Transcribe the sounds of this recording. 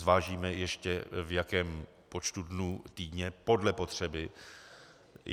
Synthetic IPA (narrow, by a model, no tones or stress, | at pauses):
vaːʒiːmɛjɛʃcɛ̰vjakɛːm | po̞t͡ʃt̪udnut̪iːdɲɛpo̞dlɛpo̞t̪r̝̥ɛbɪ